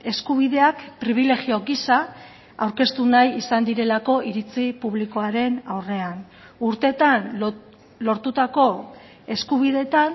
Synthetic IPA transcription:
e̞skuβ̞iðe̞akpɾiβ̞ile̞ɣio̞ɡisa | awɾke̞st̪unajisand̪iɾe̞lako̞ʔiɾit͡sipuβliko̞aɾe̞nawre̞an | uɾt̪e̞t̪an | lo̞ɾt̪ut̪ako̞ | e̞skuβ̞iðe̞t̪an

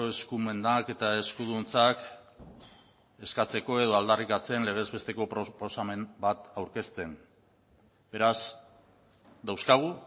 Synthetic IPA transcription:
oe̞skume̞nd̪ake̞t̪ae̞skuðunt͡sak | e̞skat͡se̞ko̞e̞ðo̞ald̪arikat͡se̞nle̞ɣ̞e̞zβe̞st̪e̞ko̞pɾopo̞same̞mbat̪awɾke̞st̪e̞n | be̞ɾas | d̪awskaɣ̞u

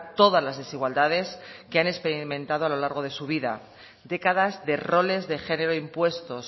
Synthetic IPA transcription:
t̪o̞ð̞azlazðe̞siɣwald̪að̞e̞skeane̞kspe̞ɾimẽ̞nt̪að̞oalo̞laɾɣo̞ð̞e̞suβ̞iða̰ | d̪e̞kað̞azðe̞ro̞le̞zðe̞xe̞ne̞ɾo̞impwe̞st̪o̞s

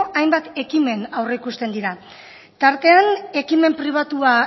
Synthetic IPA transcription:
ajmbat̪e̞kime̞nawre̞ikust̪e̞nd̪iɾa | t̪aɾt̪e̞ane̞kime̞mpɾiβ̞at̪ua

